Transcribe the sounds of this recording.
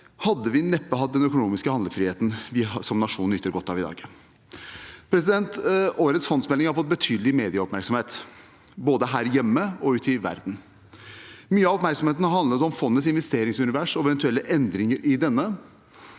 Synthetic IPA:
hɑd̪ːəʋɪnɛpːəɦɑt̪̚d̪ɛnœkʊnuːmɪskəhɑnd̪əɾfɾiːeːt̪nʋɪsɔmnɑʂuːnn̩ʏt̪ːəɾɡɔt̪ːɑ̰ʋɪd̪ɑ̰ːɡ | pʰɾɛs̬ɪd̪ɛnt̪oːɾət̪sfɔnsmɛlɪŋhɑɾfɔt̪̚bət̪ʰyːd̪əlɪmeːd̪ɪəɔpmæɾksɔmheːt̪ | boːd̪əɦæːɾjɛmːəɔʉːt̪ɪʋæ̰ɾd̪n̩ | myːəɑɔpmæɾksɔmeːt̪nəɑɾhɑnd̪ət̪ɔmfɔnːəsɪnʋɛst̪eːɾɪŋsʉnɪʋæʂɔɛʋɛnt̪ʉɛlːəʔɛnd̪ɾɪŋəɾʔɪd̪ɛnːə

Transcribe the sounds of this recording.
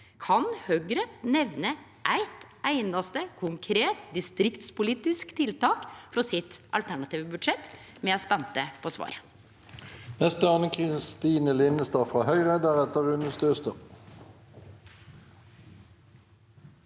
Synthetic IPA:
kʰɑnhœɡɾənɛʋnə | ʔæɪt̪ | æɪnɑst̪əkʰʊŋkʰɾeːt̪d̪ɪst̪ɾɪkt̪spʊliːt̪ɪskt̪ʰɪlt̪ɑːkfɾɔsɪt̪ʔɑ̰lt̪ʰæɳɑt̪iːʋəbʉd̪ʂɛt̪mɛːospɛnt̪əpʰoːsʋɑ̰ːɾə | nɛst̪əɑːnəkʰʁɪst̪iːnəlɪnəst̪ɑːfʁɑːhœʏʁed̪æʁɛt̪əʁʉnəst̪øːst̪ə

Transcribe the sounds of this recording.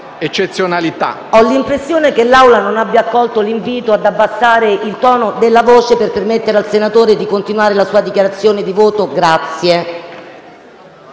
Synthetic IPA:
et͡ʃːet̪sːjonalit̪a̰ | ɔlːimpɾesːjoːnekelːawlanonabːjakːɔlt̪oliɱviːt̪oad̪abːasːaːɾeilt̪ɔːnod̪elːavoːt͡ʃeperpermet̪ːeɾealsenat̪oːɾed̪ikont̪inuwaːɾelasuːad̪ikjaɾat̪sːjoːned̪ivoːt̪oɡɾat̪sːje

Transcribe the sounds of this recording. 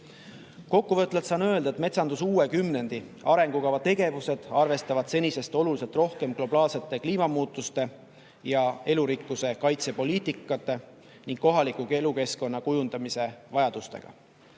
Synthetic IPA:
ko̞kːuvɤt̪ːˑlɑlt̪sɑːnø̞e̞ld̪ɑe̞t̪me̞t̪sɑnd̪usuːe̞kymne̞nd̪̥i | ɑɾe̞ŋɡ̥ukɑvɑt̪e̞ɡ̥e̞vuse̞d̪̥ɑrve̞st̪ɑvɑd̪̥se̞nʲise̞st̪o̞lulise̞lt̪ˑro̞hke̞mɡ̥lo̞bɑːlse̞t̪ːˑe̞kliːmɑmuːt̪ːˑust̪e̞ | jɑe̞luɾikːˑuse̞kɑjt̪se̞po̞liːt̪ːˑikːˑɑt̪ːˑe̞ | niŋɡ̥kːo̞ɦɑlikːˑukeluke̞sko̞nːɑkujund̪̥ɑmise̞vɑjɑd̪̥ust̪e̞̰ɡ̥ɑ̰

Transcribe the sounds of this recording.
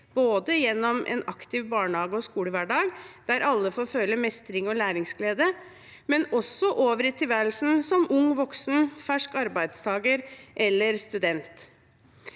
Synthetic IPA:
b̥oːd̪əjɛnːɔmʔɛ̰ːnɑkt̪ɪʋbɑːɳhɑːɡəɔskuːləʋæɖɑːɡd̪̥æɾʔɑlːəfoːɾfœlːəmɛst̪ɾɪŋɔlæːɾɪŋsɡleːd̪ə | mɛnɔsːɔʔoːʋəɾɪt̪ʰːɪʋæːl̩sn̩sɔmʊŋʋɔksnfæʂkɑɾbæɪd̪st̪ʰɑːɡəɾʔɛlːəɾst̪ʉd̪ɛnt̪

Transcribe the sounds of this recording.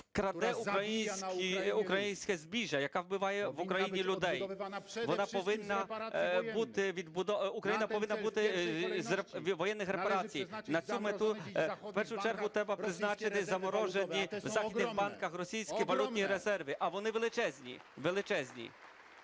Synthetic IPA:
kɾɐd̪ɛuɾɐjinʲsʲkiukɾɐjinʲsʲkɛzʲbʲiʒɐjɐkɑwbɪʋɑjɛʋukɾɐjinʲilʲʊd̪ɛjʋɔnɑʃɔʋɪnːɐbut̪ɪʋʲid̪bʊd̪ɔukɾɐjinɐpɔʋɪnːɐbut̪ɪzʋɔjɛnːɪxɾepɐɾɑt͡sʲijnɐt͡sʲumet̪upɛrʃʊt͡ʃɛrɦʊt̪ɾɛbɐpɾɪznɑt͡ʃɪt̪ɪzɐmɔɾɔʒenʲiwzɑxid̪nɪxbɑnkɐxrɔsʲijsʲkiʋɐlʲut̪ʲnʲiɾezɛrʋɪʔɐʋɔnɪʋelˠɪt͡ʃɛzʲnʲḭʋelˠɪt͡ʃɛzʲnʲḭ

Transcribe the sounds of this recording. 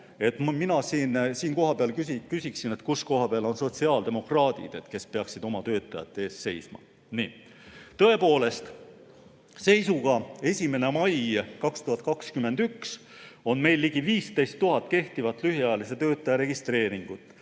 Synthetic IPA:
e̞t̪mminɑsiːnsiːnko̞ɦɑpeɑlkysikysʲiksine̞t̪kusko̞ɦɑpeɑlo̞nso̞t̪siɑːld̪e̞mo̞krɑːd̪̥ḭd̪̥e̞t̪ke̞spe̞ɑksid̪̥o̞mɑt̪ø̞ːt̪ˑːɑjɑ̰t̪ːˑe̞ːsse̞jsmɑ̰ | niː | t̪ɤe̞po̞ːle̞st̪ | se̞jsuɡ̥ɑe̞sʲime̞ne̞mɑjkɑkst̪uhɑt̪̚ːˑkɑkskymːe̞nd̪̥yks | o̞nme̞jlːiɡ̥iviːst̪e̞jst̪ːuɦɑt̪ːˑke̞ht̪ivɑt̪ːˑlyɦiɑjɑlis̬et̪øːt̪ˑːɑjɑɾe̞ɡ̥ist̪ɾe̞ːɾiŋɡ̥ut̪ːˑ

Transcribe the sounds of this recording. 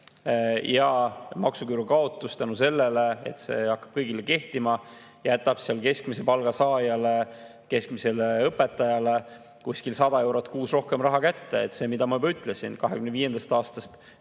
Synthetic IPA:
jɑmɑksukyːɾukɑo̞t̪ːˑust̪ænuse̞lːeleḛt̪se̞̰ːɑkːˑɑ̥b̥̚kɤjɡileke̞ht̪imɑ | jæt̪ːˑɑb̥siɑlke̞skmise̞pɑlɡ̥ɑsɑːjɑle | ke̞skmise̞leɤpːˑe̞t̪ˑːɑjɑle̞ | kusʲkilsɑd̪̥ɑe̞wɾot̪ːˑkuːsro̞hke̞mrɑɦɑkæt̪ːeḛt̪se̞ːmid̪̥ɑmɑjybɑyt̪ːˑle̞sinkɑɦekymneviːje̞nd̪̥ɑst̪ɑːst̪ɑst̪

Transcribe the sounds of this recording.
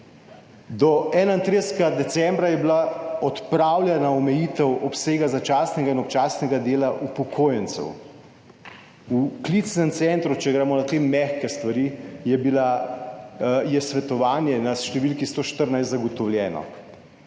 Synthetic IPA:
d̪ɔɛːnaint̪ɾeːsɡad̪ɛt̪sɛmbɾajɛbilaɔt̪pɾawlʲjɛnaɔmɛjiːt̪ɛwɔpseːɡazat͡ʃasnɛɡainɔpt͡ʃaːsnɛɡad̪eːlaʔupɔkʰoːjɛnt̪sɛ̰w | uklit̪snɛmt̪sɛnt̪ɾut͡ʃɛɡɾɛːmɔnat̪emːɛxkɛst̪ʋaɾijɛbila | jɛsʋɛt̪ɔʋaːnjɛnaʃt̪ɛʋilkist̪oːʃt̪əɾnajst̪zaɡɔt̪ɔwljɛːnɔ̰

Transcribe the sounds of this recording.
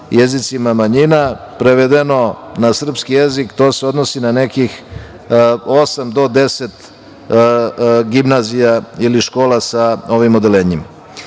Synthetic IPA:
jezit̪simamaɲina | pɾeʋed̪eno̞nasr̩pskije̞zikt̪oːseo̞d̪nosinane̞kix | o̞samd̪o̞d̪e̞set̪ | ɡimnazijailiʃko̞ːlasao̞ʋimod̪eleːɲim

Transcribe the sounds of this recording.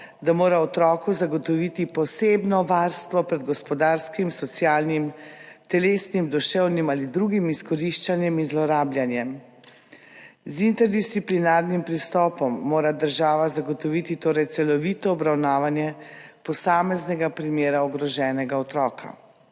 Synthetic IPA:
d̪amoːɾaɔt̪ɾɔːkuzaɡɔt̪ɔʋit̪ipɔseːbnɔʋaɾst̪ʋɔpɾɛd̪ɡɔspɔd̪aːɾskimsɔt̪sjaːlnimt̪ɛleːsnimd̪ɔʃɛwnimaːlid̪ɾuɡimiskɔɾiʃt͡ʃanjɛminzlɔɾaːbljanjɛm | zint̪ɛɾd̪ist̪siplinaɾnimpɾist̪ɔːpɔmːoːɾad̪əɾʒaːʋazaɡɔt̪ɔʋit̪it̪oːɾɛjt̪sɛlɔʋiːt̪ɔːbɾawnaːʋanjɛpɔsaːmɛznɛɡapɾimeːɾaɔɡɾɔʒɛːnɛɡaɔt̪ɾɔːkʰa̰

